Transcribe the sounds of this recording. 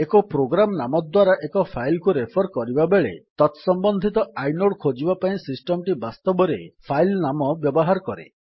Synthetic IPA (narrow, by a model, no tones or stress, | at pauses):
ekɔpɾoɡɾamnamɔd̪waɾaʔekɔpʰajlkuɾepʰɔɾkɔɾibabeɭet̪ɔt̪sɔmbɔnd̪ʱit̪ɔajnoɽkʰod͡ʒibapaĩsisʈɔmʈibast̪ɔbɔɾepʰajlnamɔbjɔbɔɦaɾɔkɔɾḛ